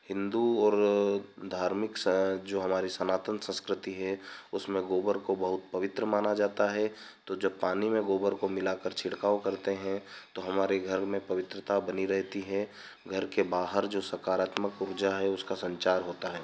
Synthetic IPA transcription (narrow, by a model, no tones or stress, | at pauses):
hɪ̃nd̪uɔːɾd̪ʱaːɾmɪkd͡ʒoːɦɐmaːɾisɐnaːt̪ə̃nsə̃nskɾɪt̪iɦɛʊsmẽɡoːbəɾkobɐɦʊt̪̚pɐʋɪt̪ɾəmaːnad͡ʒaːt̪aɦɛ | t̪od͡ʒɐb̚paːnimẽɡoːbəɾkomɪlakəɾt͡ʃʰɪɽkaːokɐɾt̪eɦɛ̃t̪oɦɐmaːɾeɡʱəɾmẽpɐʋɪt̪ɾət̪abɐniɾɛɦt̪iɦɛ | ɡʱɐɾkebaːɦəɾd͡ʒoːsɐkaːɾaːt̪məkʊɾd͡ʒaɦɛʊskasɐ̃ɲt͡ʃaːɾɦoːt̪aɦɛː